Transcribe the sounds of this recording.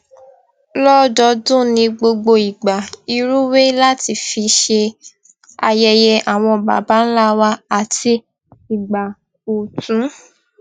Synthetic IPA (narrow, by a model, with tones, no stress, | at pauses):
lɔ˦dɔ˧dũ˦nĩ˧ɡ͡bo˧ɡ͡bo˧i˨ɡ͡ba˨i˧ɾu˦we˦la˦ti˧fi˧ʃe˧ | a̰˧jɛ˧jɛ˧ʔa˨w̃ɔ̃˧ba̰˨ba˦n̩˦la˦wa˦a˨ti˧ | i˨ɡ͡ba˨ | o˨tũ˨˦